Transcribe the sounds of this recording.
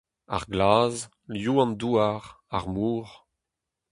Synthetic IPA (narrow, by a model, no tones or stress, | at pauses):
a̰ʁɡlaːz | ljuːɑ̃nduːaʁ | aʁmuːʁ